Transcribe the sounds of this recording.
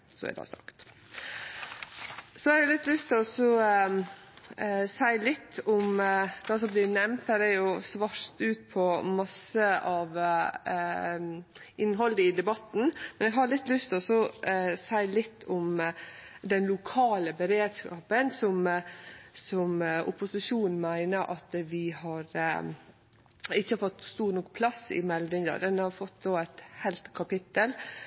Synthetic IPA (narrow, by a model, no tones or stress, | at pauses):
sɔ̰ɛ̰d̪ɑ̰sɑ̰kt̪ | sɔɑɾlɪt̪ːlʉst̪ʰɪlɔsɔ | sæɪlɪt̪ːʊmd̪̥ɑsɔmbliːnɛmnt̪hæɾæɾjʊsʋɑʂt̪ʉːt̪̚pʰɔmɑsəɑʋ | ɪnːɦɔld̪əɪd̪ɛbɑt̪n̩mɛnɛɡɦɑɭɪt̪ːlʉst̪ʰɪlɔsɔsæɪlɪt̪ːɔm | d̪ɛnlʊkʰɑːləbəɾeːd̪skɑ̰ːpənsɔm | sɔmʔʊ̰pʊsɪʂuːnn̩mæɪnəɾʔɑt̪ʋɪhɑɾ | ɪçːəhɑɾfɔt̪ːst̪uːɾnɔkːpʰlɑsɪ̰mɛld̪ɪŋd̪ɑ̰d̪ɛnhɑɾfɔt̪d̪oːæɪt̪hæɪlt̪kʰɑpɪt̪ːəl